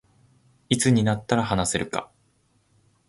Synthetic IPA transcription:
it͡sɨɲ̟inat̪ːaɾahanase̞ɾɯ̟ka̰

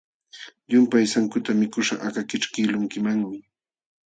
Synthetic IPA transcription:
ʎʊmpajsaŋkʊt̪amɪkʊʃa̰akakɪʈ͡ʂkɪlʊŋkɪmaŋmɪ

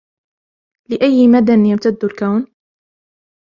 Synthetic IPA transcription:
lɪʔajːmad̪anjamt̪ad̪ːʊlkawn

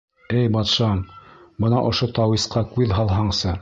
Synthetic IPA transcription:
ɘjbɑt̪ʃɑmbɤnɑ̰ʔŏʃot̪ɑwisqɑkʉðɦɑlˠɦɑɴsɤ

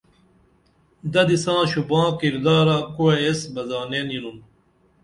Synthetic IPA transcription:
d̪ɐd̪isãːɕubãːkiɾd̪aːɾakuweesbɐzaːnenilum

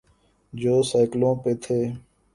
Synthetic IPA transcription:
d͡ʒoːsaːɪklõːpeːt̪ʰeː

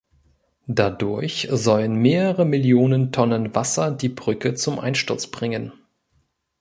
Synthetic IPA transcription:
d̥adʊɐçzɔlənmeːʁəʁəmɪljoːnəntʰɔnənvasɐdiːbʁʏkət͡sʊmʔa̰ɪnʃtʊɐt͡sb̥ʁɪŋən

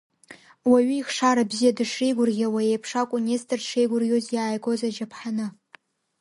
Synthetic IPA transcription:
waɥiiχʂaɾabzijadɨʂejɡʷʊrɣʲawaejpʰʂakʷʼʊnʲestʼɨrʂejɡʷʊrɣʲozjaːjɡo̞zad͡ʒapʰħanɨ

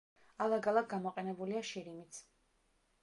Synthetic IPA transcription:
alˠaɡalˠaɡ̚ɡamɔqʼɛnɛbuliaʃiɾimit̪sʰ

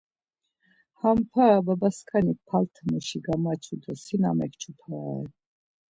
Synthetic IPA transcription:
hampʰaːbabaskʰanipʰalt̪ʰmuʃiɡamat͡ʃʰud̪ɔsina̰mɛkt͡ʃʰupʰaɛ̰

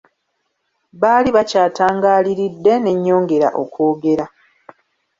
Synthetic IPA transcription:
βaːliβacaːtaːŋɡaːliɾidːe̞ne̞ɲːo̞ːŋɡe̞ɾa̰ʔo̞̰ko̞ːɡe̞ɾa

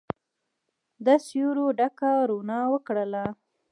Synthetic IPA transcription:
d̪əsjoɾoɖakaɾonɑwəkɽəla

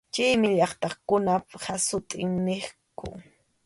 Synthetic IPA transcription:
t͡ʃijmɪʎɑχt̪ɑχkʊnaphasʊt̪ʼɪŋnɪχkʊ̰

